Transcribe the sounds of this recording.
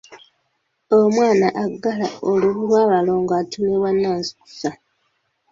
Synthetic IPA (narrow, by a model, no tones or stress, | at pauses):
omwaːnaʔaɡːalaoluβuɾwaːβalo̞ŋɡaːtuleβwanːaːnsi̥ku̥sa